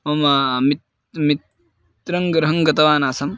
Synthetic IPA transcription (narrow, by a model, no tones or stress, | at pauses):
mɐmamit̪ | mit̪ | ɾɐŋɡɾɐɦɐŋɡɐt̪ɐʋaːnaːsɐm